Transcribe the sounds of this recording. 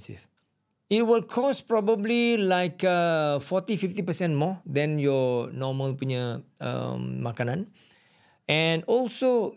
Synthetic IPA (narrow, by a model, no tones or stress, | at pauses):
sḭf | it̚wilkʰɔspɹɔbəblilaɪkəfɔt̪ifift̪ipəsɛ̃ntmɔd̪ɛ̃njɔnɔməlpuɲəə̰mmakanãn | ʔɛ̃nɔlso